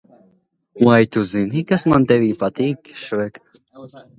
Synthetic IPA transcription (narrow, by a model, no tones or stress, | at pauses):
wajt̪uzinhikasmant̪ɛviːpat̪iːkʃvɛk